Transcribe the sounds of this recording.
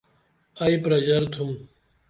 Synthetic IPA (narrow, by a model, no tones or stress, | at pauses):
ɐipɾɐd͡ʑɐɾt̪ʰum